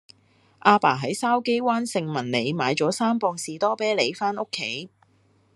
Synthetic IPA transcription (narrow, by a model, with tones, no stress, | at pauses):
ʔaː˧paː˨˩ɦɐ˨˥jsaː˥wke˥jwaː˥nsɪ˧ŋmɐ˨˩nle˨˧jmaː˨˧jt͡ʃɔː˨˥saː˥mpɔː˧ŋsiː˨t̪ɔː˥pɛː˥le˨˧jfaː˥no˥kʰːe˨˥j